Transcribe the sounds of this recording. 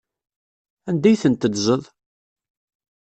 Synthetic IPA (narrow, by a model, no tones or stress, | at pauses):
ænd̪æjθənt̪əd̪zəðˤ